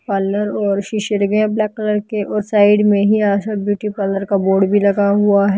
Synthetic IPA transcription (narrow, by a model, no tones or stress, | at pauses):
paːləɾɔːɾʃɪʃəɾɡɛ̃blɛːkːələɾkeʔɔːɾsaːɪɖmẽɦiaːʃabjuːʈipaːləɾkaboːɖbʱilɐɡaɦʊaɦɛ